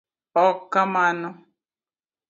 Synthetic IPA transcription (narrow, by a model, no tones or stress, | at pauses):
ɔkːamanʊ